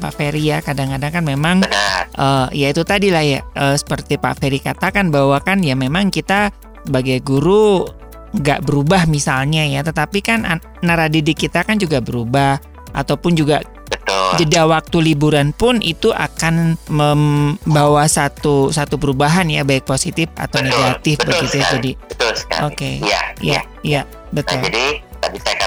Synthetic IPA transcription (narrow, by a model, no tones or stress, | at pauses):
pa̰ʔfeɾijakadaŋkadaŋkanmemaŋʔəjait̪ut̪adilahjaəsə̥pərt̪ipa̰ʔfeɾikat̪akanbawakanjamemaŋkit̪a | baɡajɡuɾu | ŋɡa̰ʔbəɾubahmisalɲajat̪ət̪apikanː | aɾadidikit̪akand͡ʒuɡabəɾubah | ʔa̰t̪awpʊnd͡ʒuɡa | bət̪ʊd͡ʒd͡ʒədawak̚t̪ulibuɾanpʊnḭt̪uʔa̰kanməmbawasat̪usat̪upəɾubaɦanjabaɪk̚posit̪ɪfa̰t̪awneɡat̪ɪfbəɡit̪ujad͡ʒadibət̪ʊlska̰okeja̰ja̰ | ja | bət̪ʊladiabisaka